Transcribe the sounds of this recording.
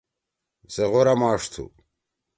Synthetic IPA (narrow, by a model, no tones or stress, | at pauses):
zeʁoɾamaːʂt̪ʰṵ